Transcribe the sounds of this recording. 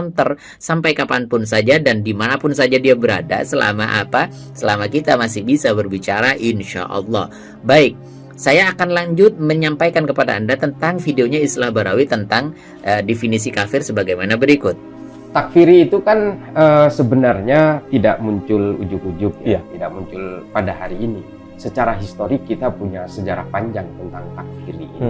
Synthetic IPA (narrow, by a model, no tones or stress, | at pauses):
nt̪ər | sampajkapanpʊnsad͡ʒadandimanapʊnsad͡ʒadiabəɾa̰da̰səla̰ma̰ʔapa | səlamakit̪amasɪhbisabərbit͡ʃaɾaʔɪnʃa̰ʔɑ̰lːɑ̰h | baɪk̚ | sajaːkanlaɲd͡ʒʊt̪̚məɲampajkankəpada̰ːndat̪ənt̪aŋfideoɲaist̪ilahbaɾa̰wit̪ənt̪aŋ | ʔədefinisikafɪrsəbaɡajmanabəɾikʊt̪̚ | t̪ːakfiɾiːt̪ukan | əsəbənarɲat̪idaʔmuɲt͡ʃʊlṵd͡ʒʊkud͡ʒʊk̚jat̪idakmuɲt͡ʃʊlpadaɦaɾiːni | sət͡ʃaɾaɦist̪oɾɪkːit̪apuɲasəd͡ʒaɾa̰hpaɲd͡ʒaŋt̪ənt̪aŋt̪ak̚fiɾḭːi